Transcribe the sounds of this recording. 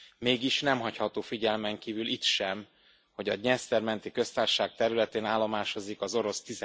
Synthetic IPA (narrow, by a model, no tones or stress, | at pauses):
meːɡiʃnɛmɦɒchɒt̪oːfiɟɛlmɛŋkiːvylit̪ʃɛm | ho̞ɟɒɲɛst̪ɛrmɛnt̪ikø̞st̪aːrʃaːk̚t̪ɛɾylɛt̪eːnaːlːomaːʃo̞zikɒzo̞ɾo̞st̪iz